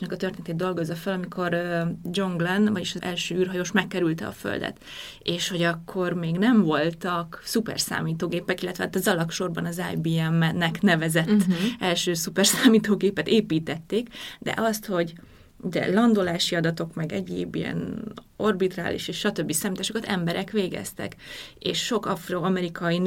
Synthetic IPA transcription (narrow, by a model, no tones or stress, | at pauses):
nɛkɒt̪ørt̪eːnɛt̪eːd̪d̪o̞lɡo̞zːɒfɛlɒmikʰo̞rød͡ʒo̞ŋɡlɛnvɒɟiʃɒɛlʃøːyːrɦɒjoʃmɛkːɛɾylt̪ɛɒ̰fø̰ld̪ɛ̰t̪ | eːʃho̞ɟɒkʰːo̞rmeːɡnɛɱvo̞lt̪ɒksupɛ̰rsa̰ːmiːt̪oːɡeːpɛkilːɛt̪ʋɛaːt̪ːɒzɒlɒkʃo̞rbɒnɒzajbiːɛmːɛnːɛknɛvɛzɛt̪ːɛlʃøːsupɛrsaːmiːt̪oːɡeːpɛt̪eːpiːt̪ɛt̪ːeːkd̪ɛ̰ʔɒst̪ho̞ɟ | ud̪ɛ̰lɒnd̪olaːʃiɒd̪ɒt̪o̞kmɛɡɛɟḛːbijɛ̰n | o̞rbit̪ra̰ːlḭʃeːʃʃɒt̪ø̞bːisaːmit̪aːʃokɒt̪ɛmbɛɾʔɛkʋeːɡɛ̰st̪ɛ̰keːʃːo̞kɒfroːɒmɛɾikʰɒi